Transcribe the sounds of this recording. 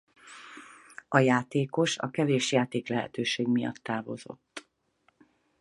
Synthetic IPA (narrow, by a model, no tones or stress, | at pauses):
ɒjaːt̪eːko̞ʃɒ̰kɛveːʃjaːt̪eːklɛɦɛ̰t̪øːʃeːɡmijɒ̰t̪ːaːvo̞̰zo̞̰t̪ː